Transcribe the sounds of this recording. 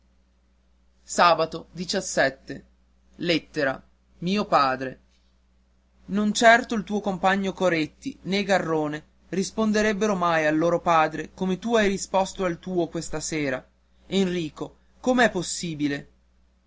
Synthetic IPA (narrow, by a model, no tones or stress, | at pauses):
saːbat̪od̪it͡ʃasːɛt̪ːḛ | let̪ːeɾa̰ | miːopaːd̪ɾe | nont͡ʃɛrt̪oilt̪uːokompaɲːokoɾet̪ːineɡarːoːne | rispond̪eɾɛbːeɾomajalːoːɾopaːd̪ɾekomet̪uajɾispɔst̪oalt̪uːokwest̪aseːɾa | enriːko | komeɛpːosːiːbile